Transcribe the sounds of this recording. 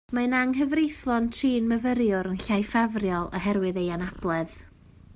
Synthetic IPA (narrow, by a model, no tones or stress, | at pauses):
manaŋɦəvrejθlˠɔntʰriːnməvəɾjʊɾənɬajfavrjɔlˠə̰ɦɛɾwɨðejanab̥lˠɛð